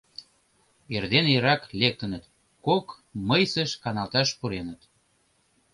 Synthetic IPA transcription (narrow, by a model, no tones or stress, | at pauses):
erd̪eneɾɑklek̚t̪ə̆nət̪ | kok | məjsə̆ʃkɑnɑlt̪ɑʃpuɾenət̪